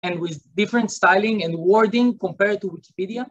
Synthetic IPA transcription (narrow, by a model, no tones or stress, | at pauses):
ɛ̃ndwɪðdɪfɾɛ̃ntst̪ajlɪ̃ŋɛ̃ndwɔɹdɪ̃ŋkɔ̃mpɛɹd̚tuwiki̥pidia